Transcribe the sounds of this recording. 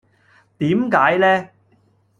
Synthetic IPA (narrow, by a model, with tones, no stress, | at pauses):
t̪iː˨˥mkaː˨˥jlɛː˥